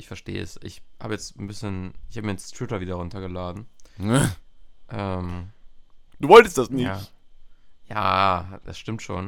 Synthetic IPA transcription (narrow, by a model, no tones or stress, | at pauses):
ʔɪçfɛɐʃtḛːə̰ɛ̰sʔɪ̰çha̰ːbəjɛt͡stn̩bɪsçənɪçhaːbəmiːjɛt͡stʁ̥ɪtɐviːdɐʁʊntɐɡəlaːdn̩ | ʔɛːm | d̥uːvɔltəstd̥asnɪjaç | ja̰ːd̥asʃtɪmtʃo̰ːn